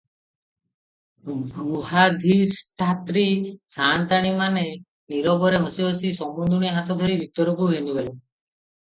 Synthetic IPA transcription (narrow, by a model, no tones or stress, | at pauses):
ɾuhad̪ʱisʈʰat̪ɾisant̪aɽ̃imane | niɾɔbɔɾeɦosiɦosisɔmund̪uɽ̃iɦat̪ʰɔd̪ʱɔɾibʱit̪ɔɾɔkuɦenubele